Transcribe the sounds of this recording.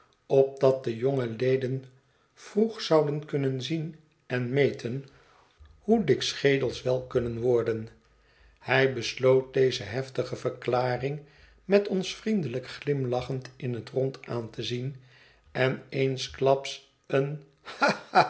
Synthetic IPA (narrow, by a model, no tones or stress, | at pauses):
ɔp̚dɑt̚dəjoŋəlejdən | v̥ruχsɑwdənkɵnənzin | ɛnmejtʰən | hudɪksχejdəlˠsʋɛlˠkɵnənʋɔɹdən | hɛjbəslowt̚dejzəɦɛftəχəvəklaːrɪŋ | mɛtɔnsfrindələkχlɪmlɑχəntɪnɦətrɔntaːntəzin | ɛnejnsklɑps | ən | a